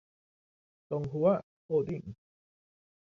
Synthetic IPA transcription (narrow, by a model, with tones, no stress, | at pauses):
t̪ɔ˨ŋɦu˨a˦˨ | ho˥˨d̪i˥˨ŋ̩˨